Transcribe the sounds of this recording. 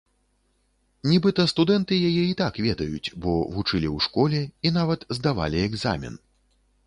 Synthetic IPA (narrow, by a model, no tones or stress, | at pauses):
nʲɛbɨt̪ɐst̪ud̪ɛnt̪ɨjajɛit̪akvʲɛd̪ɐjṵt͡sʲbɔvut͡ʂɨlʲiwʂkɔlʲɛinavɐt̪zd̪ava̰lʲiɛɡza̰mʲɛ̰n